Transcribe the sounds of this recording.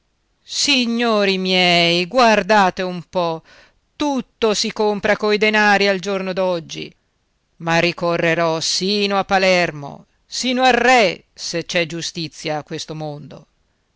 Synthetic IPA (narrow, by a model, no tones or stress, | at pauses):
siɲːoːɾimjɛjɡward̪aːt̪eumpɔ | t̪ut̪ːosikompɾakoid̪enaːɾiald͡ʒornod̪ɔd͡ʒːḭ | marːikorːeɾɔsiːnoapːalɛrmo̰ | siːnoarːɛ | set͡ʃɛd͡ʒust̪it̪sːjaːkːwest̪omond̪o̰